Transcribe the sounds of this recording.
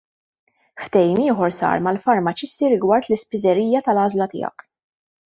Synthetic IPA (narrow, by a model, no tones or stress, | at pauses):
ft̪ɛjiːmɪːħɔɾsɐ̰ːɾmɐlfɐɾmɐt͡ʃɪst̪iɾɪɡwɐɾt̪lɪspɪzɛɾiːjɐt̪ɐlɐːzlɐt̪ɪ̰ːɐ̰k